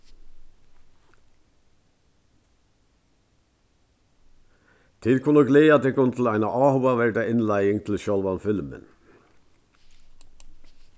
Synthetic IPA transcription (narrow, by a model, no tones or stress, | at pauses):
t̪ʰɪlkʰʊnəɡleːɑd̪eːkʰʊnt̪ʰl̩æɪnɑʔɑːhʊɑʋæɖəʔɪnlæɪɪŋt̪ʰl̩ʃɔlʋɑnfɪlmə̰n